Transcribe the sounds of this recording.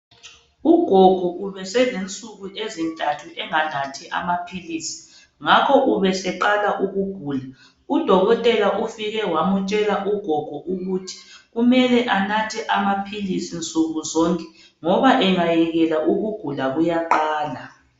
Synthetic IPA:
uɡ̥ʱɔɡ̥ʱuuβɛsɛlent͡sʼuɣuʔezintʼatʰuʔɛŋanatʰiʔa̰mapʰiliːsi̥ | ŋakʰɔʔuβɛsɛǃalaʔuɣuɡ̥ʱuːla | ud̥ʱɔɣɔtʼɛlaʔufiɣɛwamut͡ʃʼɛlaʔuɡ̥ʱɔɡ̥ʱuʔuɣutʰi̥ɣumɛlɛʔanatʰɛʔamapʰilisint͡sʼuɣuzɔːŋkʼɛ̥ | ŋɔβaʔɛŋajɛɣɛlaʔuɣuɡ̥ʱulaɣujaǃaːla

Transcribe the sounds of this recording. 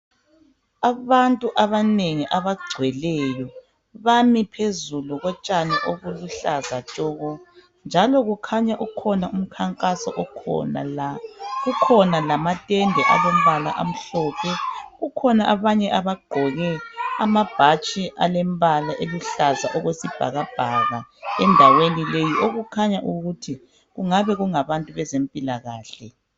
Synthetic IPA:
aβantʼuʔaβaneŋiʔaβaɡ͡ǀʱwɛlɛjɔ | βamipʰezuluɣɔt͡ʃʼaniʔoβuluɬazat͡ʃʼɔːɣɔ | nd͡ʒʱalɔɣukʰaɲaʔukʰɔnaum̩kʰaŋkʼasɔ̰ʔ | ukʰɔnalamatʼɛndʱɛʔaβom̩βala̰ʔam̩ɬɔːpʰɛɣukʰɔnaʔaβaɲɛʔaβaɡ͡ǃ̥ʱɔɣɛamab̥ʱat͡ʃʼiʔalem̩balaʔeluɬazaʔɔɣwesib̥ʱa̰ɣab̥ʱaɣaɛndʱawenilejiʔoɣukʰaɲaʔuɣutʰi | ɣuŋaβɛɣuŋaβantʼuβɛzempʼilaɣaːɬɛ

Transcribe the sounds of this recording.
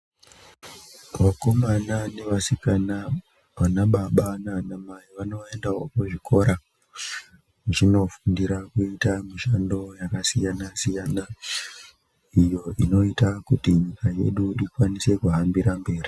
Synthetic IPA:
ʋako̞manane̞ʋasikana | ʋanaɓaɓananamaiʋano̞e̞ndaɦokoʐikʰo̞ɾa | muino̞fundiɾakuitamiʃando̞jakasijanasijana | ijo̞ʔino̞itakutiɲikaje̞̰ɗuʔikwanise̞kuɦambiɾambe̞ːri

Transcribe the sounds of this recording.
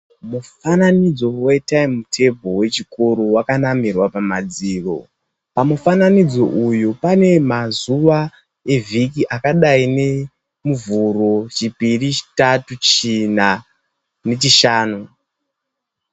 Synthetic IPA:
mufananid͡zo̞we̞taimmutʰe̞bʱo̞we̞t͡ʃikuɾuwakanamirwapamad͡ziːro̞̰ | pamufananid͡zo̞ʔujupane̞mazuʋa | e̞vʱikiʔakaɗaine̞ | muvuro̞t͡ʃipirit͡ʃi̥tatut͡ʃina | ne̞t͡ʃiʃaːnu

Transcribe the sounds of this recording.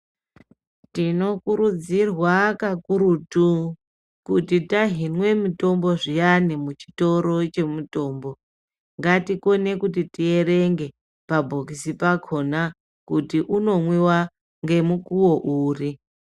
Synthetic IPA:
tino̞kuɾud͡zirwakakuɾutu | kutitaɦinwe̞mito̞mbo̞ʐijanimut͡ʃi̥to̞ɾo̞t͡ʃe̞muto̞ːmbo | ŋɡatiko̞ne̞kut̬itie̞ɾeŋɡe̞ | pabʱokisipakʰo̞na | kutiʔuno̞mwiwa | ŋɡe̞mukuwo̞ʔuːri

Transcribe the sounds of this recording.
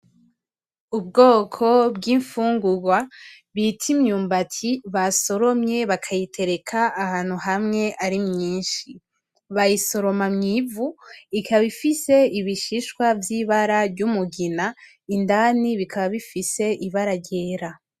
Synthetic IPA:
ub̚ɡo̞ːkʰo̞bɡiːɱfuːŋɡuɡwa | βitʰimɲuːmbatʰiβaso̞ɾo̞mɲe̞βakʰajitʰe̞ɾe̞kʰaːhaːn̥huɦamŋe̞ʔaɾimɲiːnʃi | βajiso̞ɾo̞mamɲivuikʰaβifise̞iβiʃiʃkwavjiːβaɾaɟumuɡina | indaniβikʰaβaβifise̞ʔiβaɾaɟe̞ːɾa

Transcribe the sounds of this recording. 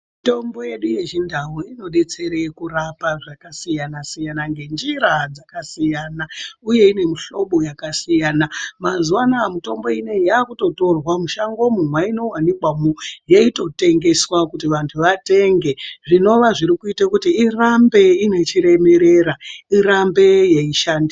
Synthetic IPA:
to̞mbo̞je̞ɗuje̞ʒindawuino̞ɗe̞t͡se̞ɾe̞kuɾapaʐakasijanasijanaŋɡe̞nd͡ʒiɾad͡zakasijaːnauje̞ine̞miɬo̞ɓo̞jakasijaːnamazuwanaːmuto̞mbo̞ine̞jaːkuto̞to̞rwamuʃaŋɡo̞munwaino̞wanikwamujeito̞te̞ŋɡe̞swakutiʋantʰuʋate̞ŋɡe̞ʐino̞ʋaʐiɾikuitakutiirambe̞ine̞t͡ʃiɾe̞me̞ɾe̞ɾaiɾambe̞jeiʃaːndi

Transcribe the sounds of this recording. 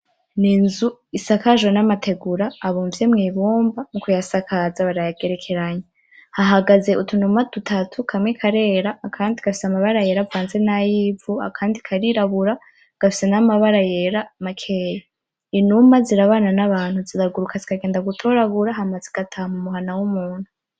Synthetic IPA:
ninzuisakaʒenamatʰe̞ɡuɾaːβuːɱvje̞mŋiːβuːmbamukujasakʰazaβaɾajaɡe̞ɾe̞kʰe̞ɾaɲe | haɦaɡaze̞ʔutʰunumatutʰatʰukʰamŋekʰaɾe̞ːɾaːkʰaːndiɡ̥afi̥samaβaɾaje̞ɾavaːnze̞najibvua̰kʰaːndikʰaɾiɾaβuɾa | ɡ̥afi̥se̞namaβaɾaje̞ɾamakʰeje | inumaziɾaβaːnanaβaːnhuziɾaɡuɾukazikaɡe̞ːndaɡutʰo̞ɾaβuɾaɦamazeɡ̥atʰamumuɦanawumuːn̥hu

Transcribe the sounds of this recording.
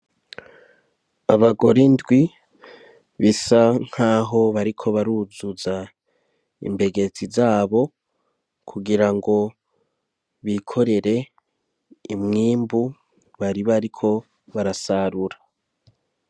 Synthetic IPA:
aβaɡo̞ɾindɡwi | βisaŋ̥haːɦo̞βaɾikʰo̞βaɾuzuza | ḭmbe̞ɡe̞t͡sizaːβo̞ | kʰuɡiɾaŋɡo̞ | βikʰo̞ɾe̞ɾe̞ | imŋiːmbu | βaɾiβaɾikʰo̞ | βaɾasaɾuɾa

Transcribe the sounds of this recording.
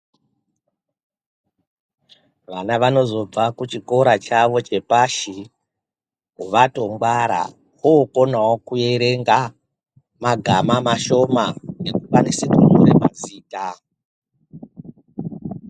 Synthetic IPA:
ʋanaʋano̞zo̞b͡vakut͡ʃiko̞ɾat͡ʃaʋo̞t͡ʃe̞paʃi | ɦuʋato̞ŋɡwaɾa̰ | woːko̞nawokuje̞ɾe̞ŋɡa | maɡʱamamaʃo̞manekupanesikumuɾema̰ziːta

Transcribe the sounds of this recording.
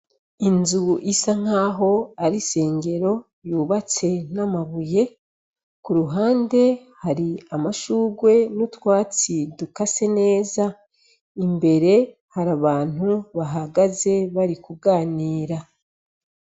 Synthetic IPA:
inzuʔisaŋ̥aːɦo̞aɾise̞ːŋɡe̞ɾo̞ | juːβat͡se̞namaβuje̞ | kuɾuɦaːnde̞haɾiamaʃuːɡwe̞nutwaːt͡sidukase̞ne̞ːza | imbe̞ɾe̞ | haɾaβaːn̥uβaɦaɡaze̞βaɾikuɡaːniːɾa

